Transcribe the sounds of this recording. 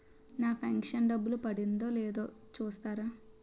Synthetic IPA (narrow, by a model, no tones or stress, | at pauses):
naːpʰɐŋkʂɐnɖɐbːulupɐɽind̪o̞ːlɛːd̪o̞ː | t͡ʃuːst̪aːɾaː